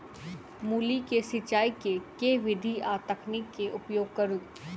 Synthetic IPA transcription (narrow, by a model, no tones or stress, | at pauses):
muːlikesɪt͡ʃaːikekeʋɪd̪ʱiaːt̪əkʰnɪkːeʔʊpjoːɡ̚kɐɾuː